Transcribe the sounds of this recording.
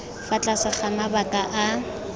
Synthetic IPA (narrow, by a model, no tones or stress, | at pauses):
fat͡ɬʼasɪχamabakʼaʔa